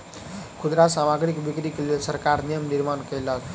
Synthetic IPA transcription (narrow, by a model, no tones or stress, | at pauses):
kʰud̪ɾasamaɡɾikbikɾikelelsəɾkaɾnijəmniɾmankəjlat̪